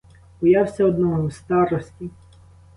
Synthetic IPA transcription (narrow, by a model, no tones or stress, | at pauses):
ʊjɑwsʲɐɔd̪nɔɦɔwst̪ɑɾɔsʲtʲi